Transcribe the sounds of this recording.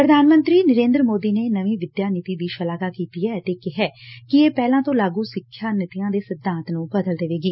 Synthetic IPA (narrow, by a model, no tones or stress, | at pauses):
pɾəd̪ʱaːnmə̃nt̪ɾiːnəɾẽːnd̪ɾəmoːd̪iːneːnəʋĩːʋɪd̪jaːnɪt̪iːbiːt͡ʃəlaːɡaːkiːt̪iɛːt̪eːkɪɦɛːkɪeːpɛːlãːt̪õːlaːɡuːsɪkʰːjaːnɪt̪ɪjãːd̪eːsɪd̪ãːnt̪nũːbəd̪əld̪eʋeːɡiː